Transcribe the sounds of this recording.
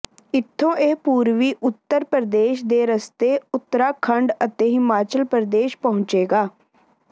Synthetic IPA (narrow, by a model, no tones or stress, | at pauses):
ɪt̪ʰːõːʔeːpuːɾʋiːʔʊt̪ːəɾpɾəd̪eːʃd̪eːɾəst̪eːʊt̪ːəɾaːkʰəɳɖət̪eːɦɪmaːt͡ʃəlpɾəd̪eːʃpəɦʊ̃ɲt͡ʃeːɡaː